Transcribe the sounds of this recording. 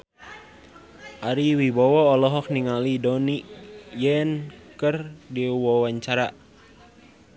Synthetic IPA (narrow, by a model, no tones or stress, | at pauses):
ʔaɾiwibɔwɔːlɔɦɔk̚niŋalidɔniʔjɛnkərdiwɔwaɲt͡ʃaɾa